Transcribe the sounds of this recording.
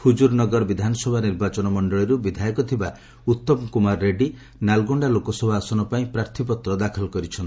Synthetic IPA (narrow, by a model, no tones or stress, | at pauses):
hud͡ʒuɾnɔɡɔɾɔbid̪ʱanɔsɔbʱaniɾbat͡ʃɔnɔmɔɳɖɔɭiɾubid̪ʱajɔkɔt̪ʰiba | ut̪ːɔmɔkumaɾːeɖi | nalɡɔɳɖalokɔsɔbʱaːsɔnɔpaĩpɾaɾt̪ʰipɔt̪ɾɔd̪akʰɔlɔkɔɾit͡ʃʰɔnt̪i